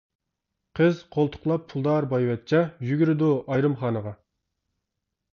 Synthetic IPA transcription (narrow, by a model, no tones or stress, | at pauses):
qʰəzqʰolˠt̪ʰʊ̥χlˠɑpʰːulˠd̪ɑɾbɑjwɛt̪̚t͡ʃʰɛjyɡʲyɾɪd̪uʔɑjɾɨmχɑːnəʁɑ